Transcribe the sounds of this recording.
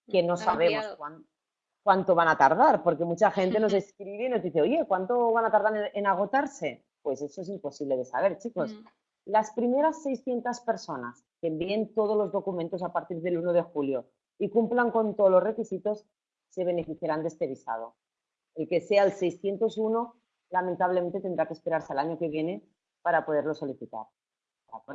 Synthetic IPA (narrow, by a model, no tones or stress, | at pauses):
ke̞no̞saβe̞moskwan | kwant̪o̞βanat̪aɾð̞aɾpo̞ɾkemut͡ʃaxe̞nt̪e̞no̞ze̞skɾiβeino̞zðiθeoʝe̞kwant̪o̞βanat̪aɾð̞aɾenaɣ̞o̞t̪aɾse̞ | pwe̞se̞soesimpo̞siβle̞ð̞e̞sa̰βe̞ɾt͡ʃiko̞s | laspɾime̞ɾasːe̞jsθje̞nt̪aspe̞ɾso̞na̰skembient̪o̞ð̞ozlo̞zðo̞kumẽnt̪o̞s̬apaɾt̪iɾðe̞luno̞ð̞e̞xuljo̞ | ikumplaŋko̞nt̪oðolo̞sre̞kisit̪o̞sː | e̞β̞e̞ne̞fiθjaɾand̪e̞st̪eβ̞isa̰ð̞o̞ | e̞lke̞se̞aelsejsθje̞nt̪o̞suno̞ | lament̪aβle̞mẽ̞nt̪et̪end̪ɾakespe̞ɾaɾsealaɲo̞ke̞β̞je̞ne̞ | paɾapo̞ð̞eɾlo̞so̞liθit̪a̰ɾ | a